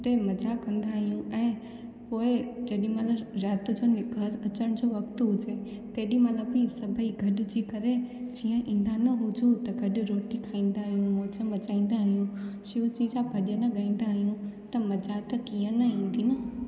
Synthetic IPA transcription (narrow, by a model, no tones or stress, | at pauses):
t̪eːmɐd͡ʑakɐ̃nd̪aːɦijũɛ̃ː | poːɪd͡ʑɐɗĩmɐləɾaːt̪d͡ʑoːnɪkəɾɐt͡ɕəɽ̃d͡ʑoːʋɐkt̪ɦʊd͡ʑe | t̪eːɗĩmɐt̪ləbisɐbʱəiɡʱɐɗʊ̆d͡ʑiːkɐɾed͡ʑiːə̃ʔĩːn̆d̪anɐɦʊd͡ʑʱut̪ɐɡɐɗʊ̆ɾoːʈikʰaːĩːn̆d̪aːɦijũmoːt͡ɕəbɐt͡ɕaːĩːn̆d̪aːɦijũʃɪʋʊt͡ɕid͡ʑabʱɐʄənɐɠaĩːn̆d̪aːɦijũt̪ɐmɐd͡ʑat̪ɐkiːə̃nɐĩːn̆d̪iːnɐ